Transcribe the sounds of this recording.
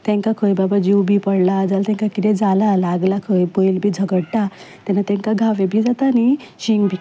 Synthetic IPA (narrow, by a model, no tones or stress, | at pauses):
t̪ɛ̃ŋkakʰəjbabad͡ʑiwbʱiːpəɽlad͡zalt̪ɛ̃ŋkakit̪ɛd͡zalalaɡlakʰəjbəjlbʱiːd͡zʱəɡəɽʈa | t̪anat̪ɛ̃ŋkaɡʱaʋebʱiːd͡zat̪aːniɕiŋɡbʱi